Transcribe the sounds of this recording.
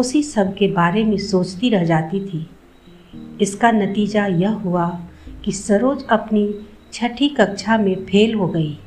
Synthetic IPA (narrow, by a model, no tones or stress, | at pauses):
ʊsisɐbkebaːɾemẽsoːt͡ʃt̪iɾɐɦd͡ʒaːt̪it̪ʰiː | ɪskanɐt̪iːd͡ʒajɐɦɦʊakisɐɾoːd͡ʒɐpnit͡ʃʰɐʈʰikɐkʃʰamẽpʰeːlɦoɡɐiː